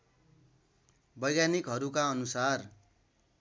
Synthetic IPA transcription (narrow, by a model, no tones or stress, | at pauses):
bʌjɡjanikɦʌɾukaʌnusar